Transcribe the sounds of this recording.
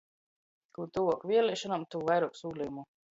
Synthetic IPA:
kuːt̪uvɔkvʲiɛlʲiʃɔnamt̪uːvajɾuɔksuːlʲijumu

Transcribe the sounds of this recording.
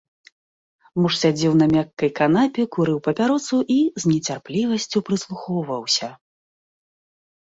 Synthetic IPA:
muʂsʲad͡zʲɛwn̪ɐmʲakːɐjkanapʲɛkuɾɨwpɐpʲaɾɔsuʔizʲnʲɛt͡sʲarplʲivɐsʲt͡sʲupɾɨslˠuxɔwvɐwsʲɐ

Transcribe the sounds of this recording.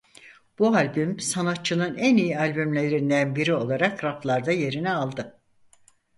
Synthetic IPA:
b̥ualʲbymsanat̪̚t͡ʃʰɯnɯnænijialʲbymlʲe̞ɾind̪ænbiɾio̞lˠaɾakɾaplˠaɾd̪aje̞ɾinɛalˠd̪ɯ

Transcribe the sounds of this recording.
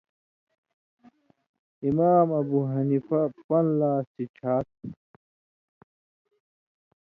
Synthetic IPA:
imaːmɐbuːɦɐnifɐpɐnlaːstit͡ɕʰaːt̪̚

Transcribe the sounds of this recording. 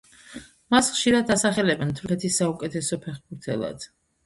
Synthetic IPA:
masχʃiɾad̪asaχɛlɛbɛnt̪ʰuɾkʰɛt̪ʰisːaukʼɛt̪ʰɛsɔpʰɛχbuɾt̪ʰɛ̰lˠa̰d̪̥

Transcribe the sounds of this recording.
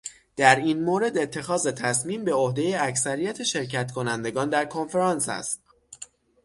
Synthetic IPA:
d̪̥æɾiːnmoːɾe̞d̪e̞t̪ʰːe̞xɒːze̞t̪ʰæsmiːmbe̞ohd̪ejeæcsæɾijæt̪ʰeʃe̞ɾcʰæt̪kʰo̞nænd̪e̞ɡɒːnd̪æɾkʰo̞nfeɾɒnsæ̰st̪̚

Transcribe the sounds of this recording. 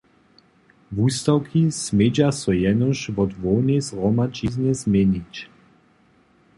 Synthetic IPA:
vust̪awkʰismed͡ʒasɔjɛnɔʃvɔd̪vɔnɛzʁɔmat͡ʃiznɛzmenit͡ʃ

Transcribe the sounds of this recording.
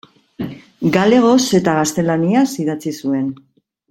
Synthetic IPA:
ɡale̞ɣ̞o̞se̞t̪aɣast̪e̞laniasiðat͡sisue̞n

